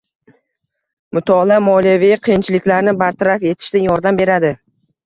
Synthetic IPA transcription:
mʊt̪ʰɒlamɒlijavijaqʰijɪnt͡ʃʰɪlɪkʲlaɾnɪbaɾt̪ʰaɾafe̞t̪ʰɪ̥ʃt̪anjɒɾd̪ambe̞ɾad̪ɪ

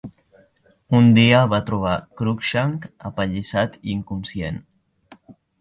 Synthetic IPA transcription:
und̪iaβat̪ɾuβ̞akɾukʃaŋkapaʎisat̪iŋkumsjen

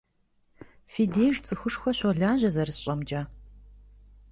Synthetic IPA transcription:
fiːdeːjʒt͡sʼɨxʊʂxʷɐɕɔɮaːʑɐzɐrɨsɕʼɐmd͡ʒaː

